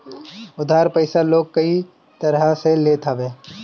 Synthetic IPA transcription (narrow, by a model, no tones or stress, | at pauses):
ʊd̪ʱaːɾpəɪsaloːɡ̚kɐi | t̪ɐɾaseleːt̪ʰaːʋẽː